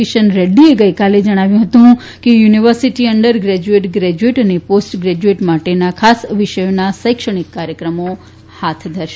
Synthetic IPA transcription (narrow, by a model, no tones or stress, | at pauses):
iʃənɾeɖieɡəjkaled͡ʒəɽ̃aʋjũɦət̪ũɦũ | kejuniʋəɾsiʈiəɳɖəɾɡɾɛd͡ʒueʈɡɾɛd͡ʒueʈəneposʈɡɾɛd͡ʒueʈmaʈenakʰasʋɪʃəjonasəjkʃəɽ̃ikːaɾjəkɾəmo | hat̪ʰd̪ʱəɾʃe